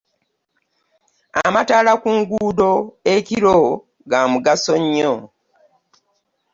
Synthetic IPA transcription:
a̰mataːlakuŋɡuːdo̞eciɾo | ɡamuɡasoɲːo

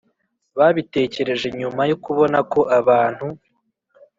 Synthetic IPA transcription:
βaβite̞ːce̞ɾe̞ʒe̞ɲumajokuβo̞nako̞ʔaβaːn̥hu

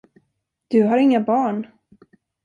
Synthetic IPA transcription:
d̪̥ɵɦaɾɪŋːabɑːɳ

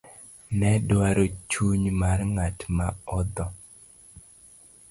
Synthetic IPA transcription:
nɛdwaɾot͡ʃuɲmarŋatmaɔd̪ɔ

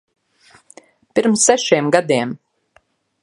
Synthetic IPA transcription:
pʲiɾmsːæʃiɛmɡad̪iɛm

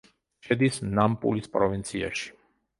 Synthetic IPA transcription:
ʃɛd̪isnampʼṵlispʼɾɔvint̪sʰia̰ʃi̥

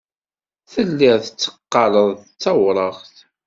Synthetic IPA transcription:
θəlːɪɾθət͡sːə̥qːɑləðˤt͡sːɑwɾˤəʁθ

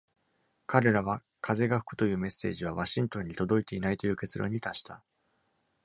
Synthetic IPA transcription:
kaɾe̞ɾaβ̞a | kʰaze̞ɡaɸɯ̥kɯ̟̥t̪o̞jɯ̟ːme̞sːe̞̰ːʑiβ̞aβaɕĩnt̪õ̞ɲ̟ːit̪o̞d̪o̞it̪e̞inait̪o̞jɯ̟ːke̞t͡sɨɾʔõ̞̰ɲ̟ːit̪aɕi̥t̪a

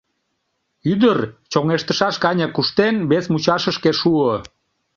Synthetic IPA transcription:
yd̪ərt͡ɕoŋeʃt̪əʃɑʃkɑnʲɑkuʃt̪enβesmut͡ɕɑʃəʃkeʃuə

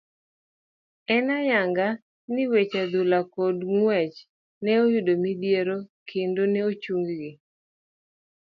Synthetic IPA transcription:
ɛnajaŋɡa | nɪwet͡ʃad̪ʊlakɔdŋwɛt͡ʃ | nɛojʊdomid̪jeɾokʰendonɛot͡ʃuŋɡɡɪ

